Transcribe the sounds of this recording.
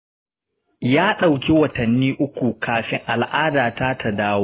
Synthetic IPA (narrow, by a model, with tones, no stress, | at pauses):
jaː˦ɗa˨wkʲi˦wɐ˨tɐ˨nːiː˦ʔʊ˦kʷu˨kʰaː˨ɸɪ˦ŋʔa˨lʔaː˦daː˨ta˦tʰa˨daː˦wa˦